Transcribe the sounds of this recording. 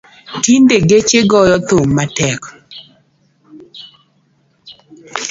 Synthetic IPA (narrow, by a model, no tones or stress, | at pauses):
tindeɡet͡ʃeɡɔjɔt̪omːatɛk